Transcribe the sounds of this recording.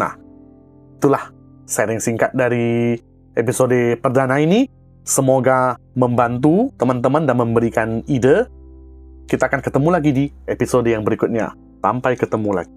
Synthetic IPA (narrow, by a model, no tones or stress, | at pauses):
na̰h | it̪ulah | saɾɪŋsiŋkat̪̚daɾi | episodepərdanaini | səmoɡaməmbant̪̬ut̪əmant̪əmandanməmbəɾikanidə | kit̪aːkankət̪əmulaɡidiepisodəjaŋbəɾikʊt̪̚ɲa̰ | sampajkət̪əmula̰ɡi